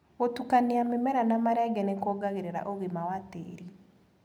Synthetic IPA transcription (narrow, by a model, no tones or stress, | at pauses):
otukaneamemɛɾanamaɾaɡɛnɛkɔɡaɣeɾeɾa̰ʔoɣemawatḛɾi